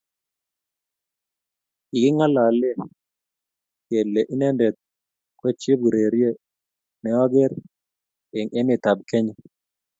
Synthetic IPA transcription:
i˨ɡɪ˦ŋa˦la˨le˦ | jɛ˨lːe˨ʔi˦nɛ˦ndɛ˨t̪̚ | ko˦t͡ʃi˦b̚ɡɾe˨ɾje˦ | nɛ˨˦ɔ˦ɡɛ˦ɾ | e˨ŋe˦mɪ˨t̪a˨b̚ke˦ɲe˨

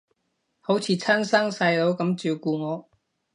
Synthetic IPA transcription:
ho˨˥wt͡sʰiː˨˧˥t͡sʰɐ˥nsɐ˥ŋsɐ˧jlo˨˥wkɐ˨˧˥mt͡siː˨˧wkuː˧ŋɔː˨˧

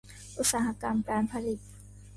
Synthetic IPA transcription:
ʔu˧˥t̪̚saː˩˦ha˧˥ka˧mkaː˧npʰa˧li˨˩t̪̚

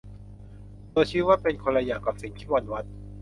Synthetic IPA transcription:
d̪oː˧jt͡ɕʰiː˦˥waː˥˩pe˧nkʰo˧la˧jaː˨˩kːaː˨˩p̚si˨˩˦ŋt̪ʰiː˥˩wa˧nwa˦˥t̪̚

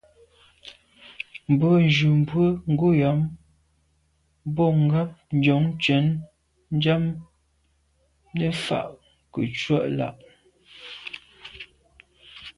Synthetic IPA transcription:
m̩˨bɔ˨˦n˨d͡ʒu˨m˨bwə˦ŋ̩˦ɡu˦ja˨˦m | bɔ˦˨ŋ̩˦ɡa˦p̚n̩˨d͡ʒɔ˨˦ŋ˦t͡ʃɛ˨˦n | n̩˦d͡ʒa˦m | nə˦fa̰˨ʔ | kə̰˨t͡ʃwa˦ʔla̰˦˨ʔ

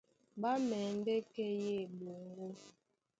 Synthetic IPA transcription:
ba˦mɛ˨n̩˦de˦kɛ˦je˦˨bo˨ŋ˦ɡo˦

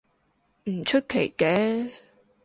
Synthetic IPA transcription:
m̩˨˩t͡ʃʰɵ˥t̚kʰe˨˩jkɛː˨˥

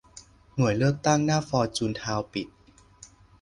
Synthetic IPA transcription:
nu˨˩˦jlɯ˥˩ək̚t̪a˥˩ŋnaː˥˩fɔː˧t͡ɕuː˧nt̪ʰaː˧wpi˨˩t̪̚

